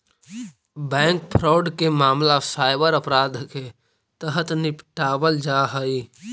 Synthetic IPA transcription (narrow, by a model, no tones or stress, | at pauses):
bɛ̃ːŋk̚pʰɾaːɖkemaːmlasaːɪbəɾəpɾaːd̪ʱke | t̪əɦət̪nɪpʈaːbəld͡ʒaɦəi